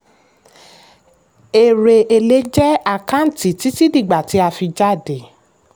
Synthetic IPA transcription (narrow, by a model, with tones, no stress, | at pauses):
e˨ɾe˨ʔe˧le˦d͡ʒɛ˦a˧˨kã˦n̩˨ti˨ti˦ti˦di˦˨ɡ͡ba˨ti˨˦a˧fi˧d͡ʒa˦˨de˨